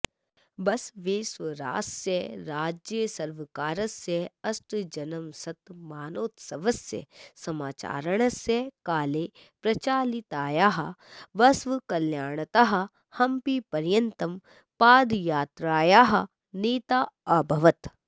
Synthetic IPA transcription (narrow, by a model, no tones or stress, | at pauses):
ʋɐsʋeːsʋɐɾa̰ːsjɐɾaːd͡ʒjəsɐɾʋɐkaːɾɐsjɐɐsʈd͡ʒɐnɐmsɐt̪maːnoːt̪sɐʋɐsjɐ̰sɐmaːt͡ʃa̰ːɾɐɳ̃ɐsjɐkaːleː | pɾɐt͡ʃaːlit̪aːjaːɦɐʋɐsʋkɐljaːɳ̃ɐt̪ɐɦɐ̆ | hɐmpipɐɾjɐnt̪ɐm | paːd̪jaːt̪ɾaːjaːɦɐ | neːt̪aːɐbʱɐʋɐt̪